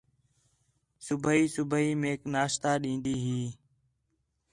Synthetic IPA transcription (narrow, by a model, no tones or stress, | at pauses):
sʊbʱɦiːsʊbʱəiːmẽːknaːʃt̪aːɗĩːnd̪iːɦiː